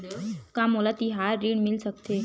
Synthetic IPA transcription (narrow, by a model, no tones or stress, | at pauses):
kamolat̪iɦaɾːiɳmilsək̚t̪e